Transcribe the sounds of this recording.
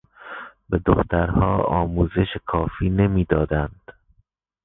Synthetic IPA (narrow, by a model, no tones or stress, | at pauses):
bed̪oxt̪ʰæɾhɒːɒ̰ːmuːze̞ʃekʰɒːfiːne̞miːd̪ɒːd̪ænd̪̥